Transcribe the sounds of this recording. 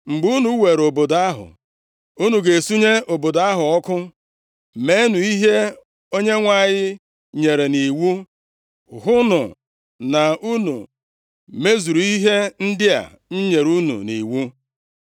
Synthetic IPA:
ŋ͡m̩˨ɡ͡bu˦nu˨˦we˨ɾo˨bo˨da˦ɦʊ̰˨ | u˦nu˨ɡe˨su˦ɲe˦o˨bo˨da˦ɦʊ˨ɔ˦kʊ˦ | me˦nu˨i˦ɦe˦ | o˦ɲe˦ŋʷa˦˨ɲɪ˦ | ɲe˨ɾe˨ni˨wu˦ | ɦʊ˦nʊ˨ | na˨u˦nṵ˨ | me˦zu˨ɾu˨i˦ɦe˦n̩˦dɪ˦a̰˨ | ɲ̩˦ɲe˨ɾu˦nṵ˨nḭ˨wu˦

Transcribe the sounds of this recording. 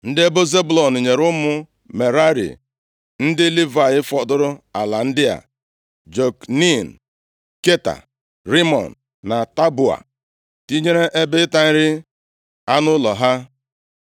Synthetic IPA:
n̩˦dɪ˦e˦bo˦ze˦bʊ˦lɔ˨n̩˨ɲe˨ɾʊ˦mʊ˦ | me˨ɾa˦ɾḭ˨ | n̩˦dɪ˦li˦va˨ɣɪ˦fɔ˨dʊ˦ɾʊ˦a˨la˨n̩˦dɪ˦a̰˨ | d͡ʒo˨kni˦˨n̩˨ | ke˦ta̰˨ | ɾi˦mɔ̰˨n̩˨ | na˨ta˦bʊ˨a̰˨ | ti˦ɲe˦ɾe˦ʔe˦bɪ˦ta˦n̩˦ɾɪ˦ | a˦nʊ˦lɔ˨ɦa˦

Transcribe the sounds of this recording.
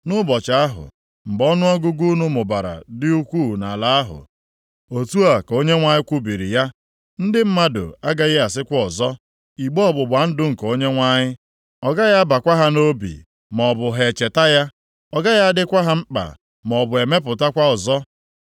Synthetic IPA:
nʊ˦bɔ˨t͡ʃa˨a˦ɦʊ̰˨ | ŋ͡m̩˨ɡ͡bɔ˦nʊ˦ɔ˦ɡʊ˦ɡu˦nʊ˦mʊ˨ba˨ɾa̰˨dɪ˦u˦kʷu˦˨na˨la˦a˦ɦʊ̰˨ | o˨tu˦a˨ko˦ɲe˦ŋʷa˦ɲɪ˦kʷu˦bi˨ɾḭ˨ja˦ | n̩˦dɪ˦m̩˦ma˦dʊ̰˨a˦ɡa˦ɣɪ˦a˨sɪ˦kʷɔ˦ɔ˨zɔ˦ | i˨ɡ͡bɔ˦ɔ˦bʊ˨bʷa˨˦n̩˦dʊ˦ŋ̩˨ko˦ɲe˦ŋʷa˦ɲɪ˦ | ɔ˨ɡa˦ja˦ba˨kʷa˦ɦa˦no˦bḭ˨ | m˨ɔ˨bʊ˨ɦe˨t͡ʃe˨ta˦ja˦ | ɔ˨ɡa˦ja˦dɪ˦kʷa˦ɦa˦ŋ͡m̩˦k͡pa̰˨ | m˨ɔ˨bʊ˨e˨me˦p̬ʊ˨ta˦kʷa˦ɔ˨zɔ˦

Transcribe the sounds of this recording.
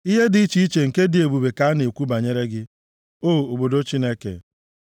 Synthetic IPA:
i˦ɦe˦dɪ˨i˦t͡ʃi˨˦i˦t͡ʃe˨ŋ̩˨ke˦dɪ˨e˨bu˨be˨ka˦ne˨kʷu˦ba˨ɲe˦ɾe˦ɡɪ˦ | o˦˨o˨bo˨do˦t͡ʃi˦ne˦kḛ˨

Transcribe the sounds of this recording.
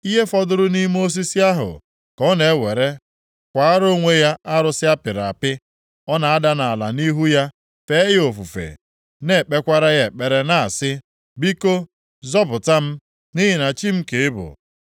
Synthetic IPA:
i˦ɦe˦fɔ˦dʊ˦ɾʊ˦ni˦mo˦s̬i˦si˦a˦ɦʊ̰˨ | kɔ˦ne˨˦we˨ɾe˦ | kʷa˨a˦ɾo˦ŋʷe˦ja˦a˦ɾʊ˨sɪ˦a˦pɪ˨ɾa̰˨pɪ˦ | ɔ˦na˨a˦da˦na˨a˨la̰˨ni˦ɦu˦ja˦ | fe˦ɦɪ˦o˨fu˨fḛ˨ | ne˦˨k͡pe˦kʷa˦ɾa˦ɣe˨k͡pe˨ɾe˨na˨a˨sɪ˦ | bi˦ko˦ | zɔ˦bʊ˨ta˦m̩˦ | ni˦ɦɪ˨na˨t͡ʃi˦m̩˦ke˨ɪ˦bʊ̰˨

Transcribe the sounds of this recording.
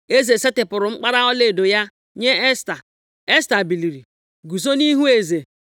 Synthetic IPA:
e˦ze˨se˦tɪ˨pʊ˨ɾʊ˨ŋ͡m̩˦k͡pa˦ɾa˦ɔ˦le˨do˨ja˦ | ɲe˦sta˨ | e˦sta˨bi˨li˨ɾi˨ | ɡu˨so˦ni˦ɦu˦e˨ze˨

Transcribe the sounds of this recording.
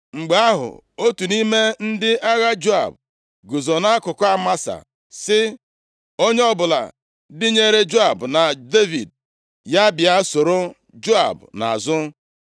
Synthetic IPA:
ŋ͡m̩˨ɡ͡ba˦a˦ɦʊ̰˨o˦tu˨ni˦me˦n̩˦dɪ˦a˦ɣa˦d͡ʒo˦a̰˨b̚ | ɡʊ˨zo˨na˦kʊ˨ka˦ma˦sa̰˨ | sɪ˦ | o˦ɲe˦ɔ˦bʊ˨la̰˨ | dɪ˦ɲe˦ɾe˦d͡ʒo˦a˨bna˨de˦vḭ˨d̚ | ja˦bɪ˨a˦so˨ɾo˦ | d͡ʒo˦a̰˨bna̰˨a˨zʊ˦

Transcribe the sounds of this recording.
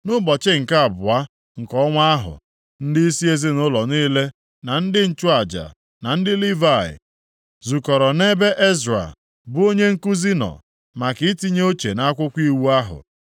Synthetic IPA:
nʊ˦bɔ˨t͡ʃɪ˦ŋ̩˨ka˦a˨bʊ˨a˦ | ŋ̩˨kɔ˦ŋʷa˦a˦ɦʊ̰˨ | n̩˦dɪ˦i˦si˦e˦zɪ˦nʊ˦lɔ˨niː˦le˦ | na˨n̩˦dɪ˦n̩˦t͡ʃʊ˦a˨d͡ʒa̰˨ | na˨n̩˦dɪ˦li˦va˦˨ɪ̰˨ | zu˨kɔ˨ɾɔ˨ne˦be˦ʔe˦za̰˨ | bʊ˦o˦ɲe˦ŋ̩˦ku˦zi˦nɔ̰˨ | ma˨kɪ˦ti˦ɲ˦o˦t͡ʃe˨na˦a˦kʷʊ˦kʷi˦wu˦a˦ɦʊ̰˨

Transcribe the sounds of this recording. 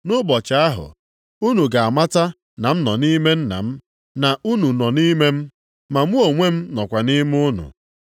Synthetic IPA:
nʊ˦bɔ˨t͡ʃa˨a˦ɦʊ̰˨ | u˦nu˨ɡa˨a˨ma˦ta˦ | na˨m̩˦nɔ˨ni˦me˦n̩˦na̰˨m̩˦ | na˨ʔu˦nu˨nɔ˨ni˦me˦m̩˦ | ma˨m˦o˨ŋʷe˦m̩˦nɔ˨kʷa˨ni˦m˦ʊ˦nʊ̰˨

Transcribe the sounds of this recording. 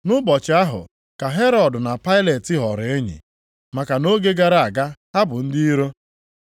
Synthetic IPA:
nʊ˦bɔ˨t͡ʃɪ˨a˦ɦʊ̰˨ | ka˨ɦe˦ɾɔ˨dʊ˨na˨pa˦ɪ˦le˨tɪ˦ɦɔ˨ɾe˦ɲḭ˨ | ma˨ka˨no˦ɡe˦ɡa˦ɾa˦˨a˨ɡa˦ɦa˦bʊ˨n̩˦di˦i˦ɾo˦

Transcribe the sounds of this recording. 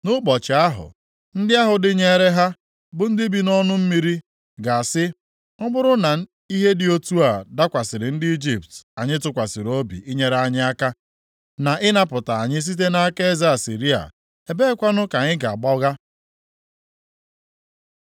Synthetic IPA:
nʊ˦bɔ˨t͡ʃɪ˨a˦ɦʊ̰˨ | n̩˦dɪ˦a˦ɦʊ˨dɪ˦ɲe˦ɾe˦ɦa˦ | bʊ˨n̩˦dɪ˦bi˨nɔ˦nʊ˦m̩˦mi˦ɾi˦ | ɡa˨a˨sɪ˦ | ʊ˦bʊ˦ɾʊ˦na˨ | i˦ɦe˦dɪ˨o˦tu˦a˨da˦kʷa˨sɪ˨ɾɪ˨n̩˦dɪ˦i˦d͡ʒi˨pta˨ɲɪ˦tʊ˨kʷa˨sɪ˨ɾo˦bḭ˨ɪ˦ɲe˦ɾa˦ɲɪ˦a˦ka˦ | na˨ʔɪ˦na˦pʊ˨ta˨a˨ɲɪ˦s̬i˦t̬e˦na˦a˦ke˦e˦za˦a˨sḭ˨ɾi˦a̰˨ | e˨be˦kʷa˦nʊ˦ka˨ɲɪ˦ɡa˨a˨ɡ͡bɔ˦ɣa˦

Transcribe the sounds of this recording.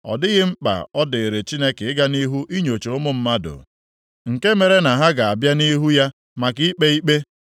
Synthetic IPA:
ɔ̰˨dɪ˦ɣɪ˦m̩˦k͡pa̰˨ɔ˦dɪ˨e˨ɾe˨t͡ʃi˦ne˦ke˨ɪ˦ɡa˦ni˦ɦu˦ʔi˦ɲo˨t͡ʃo˨˦mʊ˦m̩˦ma˦dʊ̰˨ | ŋ̩˨ke˦me˨ɾe˦na˨ɦa˦ɡa˨a˨bja˦ni˦ɦu˦ja˦ | ma˨k̬i˦k͡pe˦i˦k͡pe˦

